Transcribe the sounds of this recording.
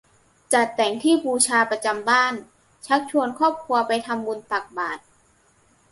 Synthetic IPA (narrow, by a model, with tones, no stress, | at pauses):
t͡ɕa˨˩t̪ːɛ˩˦ŋt̪ʰiː˥˩buː˧t͡ɕʰaː˧pɾa˧t͡ɕa˧mbaː˥˩n | t͡ɕʰa˦˥k̚t͡ɕʰu˧ənkʰɔː˥˩p̚kʰu˧ɐpa˧jt̪ʰa˧mbu˧np̪a˨˩k̚baː˨˩t̪̚